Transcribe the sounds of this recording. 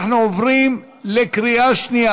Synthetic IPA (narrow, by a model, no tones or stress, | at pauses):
ħnuovʁim | lekɾiaʃnia